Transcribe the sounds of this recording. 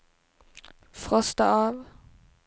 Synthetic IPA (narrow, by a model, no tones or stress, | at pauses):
fʁɔst̪əʔɑːʋ